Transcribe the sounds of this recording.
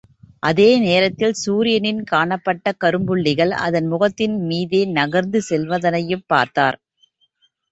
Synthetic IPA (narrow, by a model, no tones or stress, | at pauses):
ʔɐðeːneːɾɐt̪ːɪlsuːɾɪjɐnɪnkaːɳɐpːɐʈːɐkɐɾɯmbɯɭːɪɣɐɭɐ̰ðɐnmʊɣɐt̪ːɪnmiːðeːnɐɣɐɾnd̪ɯsɛlʋɐðɐnɐjɯpːa̰ːɾt̪a̰ːɾ